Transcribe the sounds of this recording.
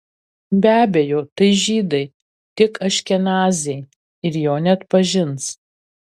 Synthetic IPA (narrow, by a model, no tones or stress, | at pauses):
bʲæːbʲejoːt̪ɐɪʒʲiːd̪ɐɪ | t̪ʲɪkɐʃʲkʲɛnɑːzʲɛɪ | ɪɾjoːnʲɛɐt̪pɐʒʲɪns